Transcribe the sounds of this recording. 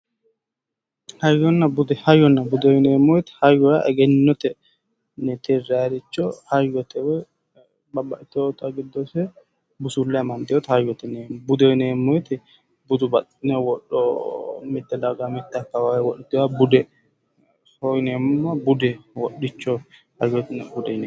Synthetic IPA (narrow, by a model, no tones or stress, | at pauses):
hɐjːɔnːɐbʊd̪ɛhɐjːɔnːɐbʊd̪ɔjneːmːɔjt̪ɪ̥hɐjːɔja̰ʔɛɡɛnːɔt̪ɛ | nɛt̪ɛrːaɾɪt͡ʃːɔhɐjːɔt̪ɛwɛ | bɐbːɐʔɪt̪ot̪ɐɡɪd̪ːɔsɛ | bʊsʊlːɐjɐmɐnd̪ɪjɔt̪hɐjɔt̪ɛnɛbʊd̪ɔneːmːɔjɛt̪ɪ | bʊd̪ʊbɐtɪnɛwɔɗːɔmɪt̪ːɛd̪aɡamɪt̪ːɛɐkːɐwajɛwɔɗɛt̪ːɪwabʊd̪ɛ | ojneːmʊmːɐbʊd̪ɛwɔɗːɪt͡ʃːɔ | hɐjɔt̪nɛbʊd̪ɛn